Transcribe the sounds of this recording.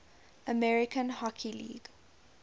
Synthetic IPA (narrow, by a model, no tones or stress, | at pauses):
əmɛɹɪkə̃nhɔkʰilḭːɡ̥